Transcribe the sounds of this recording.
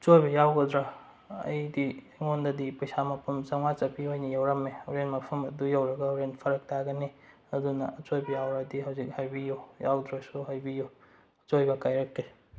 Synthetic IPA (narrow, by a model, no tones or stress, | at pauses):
ɐt͡ʃojbɐjawɡɐdɾa | ɐ̰jdi | ŋondɐdipɐjsamɐpʰumt͡ʃɐŋat͡ʃɐpiojnɐjawɾɐmeɐwɾenmɐpʰɐmɐdujawɾɐɡɐwɾenpʰɐɾɐk̚tʰaɡɐni | ɐdunɐɐt͡ʃojbɐjawɾadiɦɐwzik̚hajbijoja̰wdɾasuɦajbijo | ɐt͡ʃojbɐkajɾɐkːe